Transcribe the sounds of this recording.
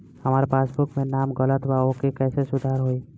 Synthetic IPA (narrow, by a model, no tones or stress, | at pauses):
hɐmaːɾepaːsbʊkmẽnaːmɡələt̪ʋaokekɛːsesʊd̪ʱaːɾɦoːiː